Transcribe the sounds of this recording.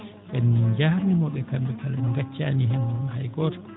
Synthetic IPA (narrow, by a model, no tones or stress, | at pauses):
ɓɛnːid͡ʒahɾnimɔɓɛkambɛkʰalanŋɡat͡ʃːaːniɦɛnːhajɡɔtḁ